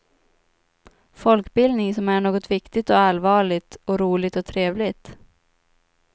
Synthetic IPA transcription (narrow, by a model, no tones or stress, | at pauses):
fɔlkbɪld̪nɪŋsɔmæɳoːɡɔt̪vɪkt̪ɪt̪ɔalvɑːɭɪt̪ɔɾuːlɪt̪ɔt̪ʰɾeːvlɪt̪